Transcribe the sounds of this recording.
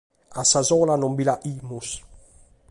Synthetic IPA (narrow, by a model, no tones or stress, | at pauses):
asazɔ̃lanɔmbilaʔimus